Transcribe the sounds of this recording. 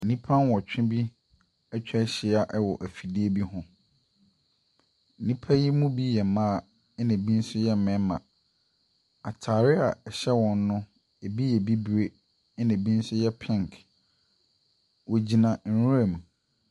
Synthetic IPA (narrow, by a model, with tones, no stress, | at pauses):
n̩˨nĩ˦pʰã˦n˦wɔ˨t͡ɕᶣɪ̃˦bi˦ | ɛ˦t͡ɕᶣɛ˦ɕɪ˨a˨ʔɛ˦wɔ˨ʔæ˨fi˨di˦e˦bi˦ɦʊ̃˦ | n̩˨nĩ˦pʰa˦ji˦mũ˦bi˦jɛ˨mãː˦˨˦ | nɪ̃˨bi˦n̩˦sʊ˦jɛ˦˨mɛ̃˨˦mã̰˨ | a̰˨tʰaː˨ɾɪ˦a˨ɛ˨ɕɛ˦wɔ̃˨n˦nʊ̃˦ | e˨bi˦jɛ˨bi˦bu˨e˦ | nɪ̃˨bi˦n̩˦sʊ˦jɛ˦pʰɪ̃˦˨ŋkʰ | wɔ˨d͡ʑi˨nã˨n̩˨ɾũ˦æ˨mũ˨